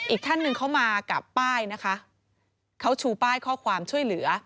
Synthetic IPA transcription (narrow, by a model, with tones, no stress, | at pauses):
ʔiː˨˩k̚t̪ʰa˥˩nːɯ˧ŋkʰa˦˥wmaː˧ka̰˨˩pːaː˥˩jna˦˥kʰa˦˥ʔ | kʰa˦˥wt͡ɕʰuː˧paː˥˩jkʰɔː˥˩kʰwaː˧mt͡ɕʰu˥˩əjlɯ˩˦ɐ